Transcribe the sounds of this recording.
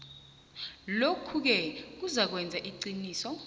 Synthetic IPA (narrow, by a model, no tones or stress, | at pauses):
lokʰuk̬ɛk̬uzak̬wɛnd͡zʱaʔiǀiniːsɔ